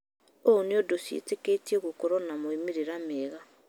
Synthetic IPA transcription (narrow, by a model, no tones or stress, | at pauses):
oniodosjḛteketieɣukoɾonamoimiɾiɾameːɣa